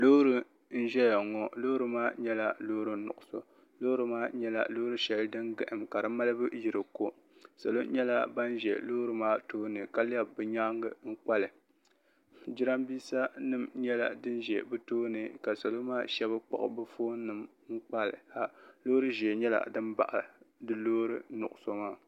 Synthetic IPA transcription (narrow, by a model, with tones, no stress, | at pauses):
lo˦ɾɨ˦ | n̩˦ʒɛ˦ja˨ŋɔ˦lo˦ɾɨ˦maː˦ɲɛ˦la˨lo˦ɾɨ˦nʊ̰˨ʔʊ˨so̰˨ | lo˦ɾɨ˦maː˦ɲɛ˦la̰˨lo˦ɾɨ˦ʃɛ˨ldɨ˦ŋɡɨ˨ʔɨ˨mka˨ɾɨ˦ma˦lɨ˦bɨ˦ji˨ɾɨ˨ko˦ | sa̰˨lo˦ɲɛ˦la̰˦ba˦n˦ʒɛ̰˨lo˦ɾɨ˦maː˦toː˦nɨ˨ka˦lɛ˦bbɨ˨ɲa˦ŋɡɨ˦ŋ̩˦k͡pa˦lɨ˨ | d͡ʒi˦ɾa˦mbiː˦sa˦nɨ˨mɲɛ˦la̰˨dɨ˦nʒɛ˨bɨ˦toː˦nɨ˨ka˨sa˨lo˦maː˦ʃɛ˦bɨ˦k͡pa̰˨ʔʊ̰˨bɨ˦foː˦nɨ˨m | ŋ̩˦k͡pa˦lɨ̰˨a˨lo˦ɾɨ˦ʒɛ˨ɲɛ˦la̰˨dɨ˦mba̰˨ʔa˨dɨ˦loː˦ɾɨ˦nʊ̰˨ʔʊ˨so˦maː˦